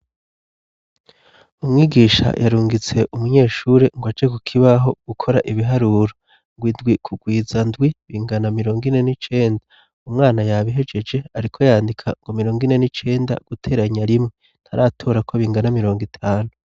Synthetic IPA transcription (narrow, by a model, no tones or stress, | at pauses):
umŋiːɡiːʃa̰jʔaɾuːŋɡit͡se̞ʔumuɲe̞ːʃuɾeŋɡad͡ʒekukʰiβaɦo̞ɡ̥ukʰo̞ɾaʔiβiɦaɾuːɾo | ŋɡwindɡwikʰuɡwiːzandɡwiβiːŋɡanamiɾo̞ːŋɡine̞nit͡ʃe̞ːnda | umŋaːnajaβiɦe̞d͡ʒe̞d͡ʒe̞aɾikʰo̞jaːndikʰa̰ŋɡomiɾo̞ːŋɡine̞nit͡ʃe̞ːnda̰ɡ̥utʰe̞ːɾaɲaɾimŋe̞ | n̥haɾaːtʰo̞ːɾakʰo̞βiːŋɡanamiɾo̞ːŋɡitʰaːnu